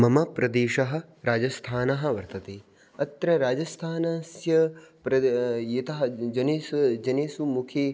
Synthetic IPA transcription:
mɐmɐpɾɐd̪eːʃɐɦɐ̆ɾaːd͡ʒɐst̪ʰaːnɐɦɐ̆ʋɐɾt̪ɐt̪eː | ɐt̪ɾɐɾaːd͡ʒɐst̪ʰaːnɐsjɐpɾɐjɐt̪ɐɦɐ̆d͡ʒɐneːsd͡ʒɐneːsumukʰeː

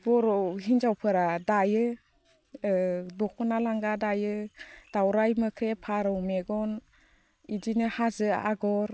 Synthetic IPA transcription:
bɔɾɔɦinzawpʰɯɾadajɯ | dɔkʰɔnalaŋɡadajɯd̥awɾajmɯkʰɾepʰaɾɯwmeɡɔn | idinɯhazɯa̰ɡɔɾ

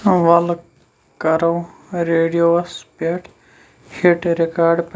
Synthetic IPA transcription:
ʋɐl | kɐɾoːɾeːɖijoːɐspeʈʰ | heʈɾekaːɾɖp

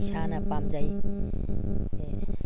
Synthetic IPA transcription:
sʰanapamd͡zaj

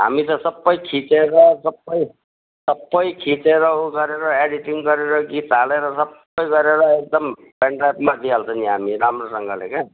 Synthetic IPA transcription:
ɦa̰mit̪ʌsʌbːʌjkʰit͡seɾʌsʌbːʌj | sʌbːʌjkʰit͡seɾʌuɡʌɾeɾʌeɽiʈiŋɡʌɾeɾʌɡit̪aleɾʌsʌb | ʌjɡʌɾeɾʌek̚d̪ʌm | peɳʈapmat̪ialt͡sʰʌniɦa̰miɾamrosʌŋɡʱʌlḛke

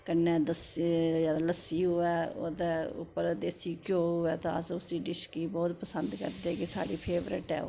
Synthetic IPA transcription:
kənːɛ̃ːd̪əsadləsiːɦoɛːo̰ːd̪eːʊ̰pːəɾd̪eːsiːkjoːɦʊɛːt̪ãəsʊsiːɖɪʃkiːbɔːt̪pəsənd̪kə̰ɾd̪eːkɪsa̰ːɖiːpʰeːʋɾə̰ʈɛ̰ːo̰

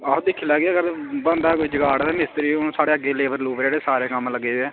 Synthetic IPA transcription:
ad̪ɪkʰːiːləːɡeaːɡəɾbənd̪aːkoːiːd͡ʒəɡaːɽd̪aːmɪst̪ɾiːõsaːɽeːəɡeːleːʋəɾluːbɾːɽeːsaːɾeːkəmləɡːeːd̪eː

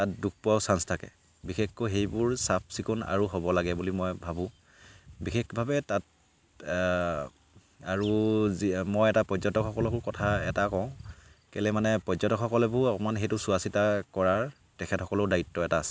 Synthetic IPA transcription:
tat̚duk̚pʊawsanstʰakɛ̰ | bixʰexkɔɦejbʊɹsap̚ʰsikuna̰ɹuɦobɔlaɡɛbulimɔjbʱabʊ̃ | bixʰexbʱabɛtat | aɹuzimɔjɛtapɹɔzɔtɔkʰɔkɔlɔkʊɹkɔtʰaɛ̰takɔʊ̃kɛlɛmanɛpɹɔzɔtɔkʰːɔkɔlɛbʊakmanɦejtʊsuasitakɔɹaɹ | tɛkʰɛtxɔkɔlʊdaitːɔɛtaːsɛ̥

